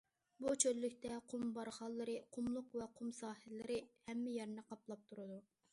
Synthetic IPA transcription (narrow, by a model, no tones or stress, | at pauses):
but͡ʃʰølːykʲt̪ɛqʰʊmbɑɾχɑlˠːɨɾɨqʰʊmlˠʊqvɛqʰʊmsɑːhɪlːɪɾɪhɛmːɪjɛɾnɛqɑplˠɑp̚t̪ʰuɾɨd̪u